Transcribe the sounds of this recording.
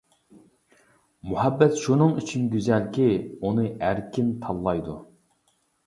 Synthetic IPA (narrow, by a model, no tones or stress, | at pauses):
muhɛbːɛt̪ʃunɨŋyt͡ʃʰinɡʲyzɛlkʲiunɨæɾkʲint̪ʰɑlˠːɑjd̪u